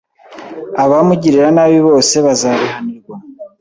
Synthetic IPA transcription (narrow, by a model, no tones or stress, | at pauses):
aβamuɟiɾiɾanaːβiβo̞ːse̞βazaːβiɦaniɡo